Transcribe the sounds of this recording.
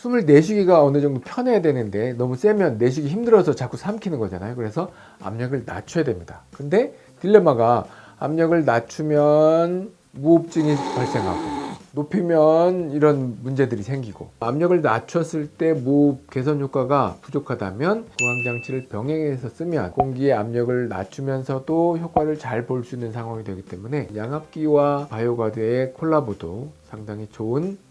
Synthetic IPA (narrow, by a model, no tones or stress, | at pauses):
sʰumɯɭne̞ɕʰuɡiɡaʌnɯd͡ʑʌŋdopʰjʌnejadwe̞nɯnde̞nʌmus͈e̞mjʌnːe̞ɕ̬ʰiɡiçimdɯɾʌsʰʌt͡ɕak͈ʰusʰamkʰinɯnɡʌd͡ʑa̰najokɯɾe̞sʰʌ | a̰mɲʌɡɯɭna̰t͡ɕʰʌjadwe̞mɲidakɯnde̞ | tiɭːe̞maɡa | amɲʌɡɯɭnat͡ɕʰumjʌn | muːp̚t͡ɕ͈ɯŋipaɭs͈e̞ŋɦa̰ɡonopʰimjʌniɾʌnmund͡ʑe̞dɯɾisʰe̞ŋɡiɡo̰amɲʌɡɯɭnat͡ɕʰʌs͈ɯɭt͈e̞muːp̚k͈e̞sʰʌnçjok͈aɡapud͡ʑokʰada̰mjʌnkuɦaŋd͡ʑaŋt͡ɕʰiɾɯɭpjʌŋɦeŋe̞sʰʌs͈ɯmjʌ̰nkoŋɡieamɲʌɡɯɭna̰t͡ɕʰumjʌnsʰʌdoçjok͈waɾɯɭt͡ɕaɭpoɭs͈uinːɯnsʰaŋɦwaŋidwe̞ɡit͈e̞mune̞jaŋɦap̚k͈iwapajoɡwadweekʰoɭːabodosʰaŋdaŋit͡ɕoɯn